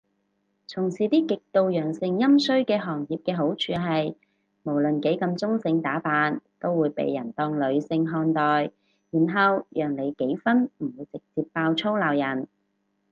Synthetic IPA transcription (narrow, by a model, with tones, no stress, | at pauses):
t͡sʰʊ˨˩ŋsiː˨˩t̪iː˥kɪ˨k̚t̪o˨˧wjœː˨˩ŋsɪ˨ŋjɐ˥msɵ˥ɥkɛː˧ɦɔː˨˩ŋjiː˨p̚kɛː˧ɦo˨˥wt͡ʃʰyː˨˧ɦɐ˨j | mo˨˩wlɵ˨nke˨˥jkɐ˧mt͡sʊ˥ŋsɪ˧ŋt̪aː˨˥paː˧nt̪o˥wːuː˨˧jpḛ˨˧jːɐ˨˩nt̪ɔː˧ŋlɵ˨˧ɥsɪ˧ŋɦɔː˧nt̪ɔː˨˩j | jiː˨˩nɦɐ˨wjœː˨˩ŋle˨˧jke˨˥jfɐ˥nm̩˨˩wuː˨˧jt͡sɪ˨k̚t͡siː˧pːaː˧wt͡sʰo˥wlaː˨wjɐ˨˩n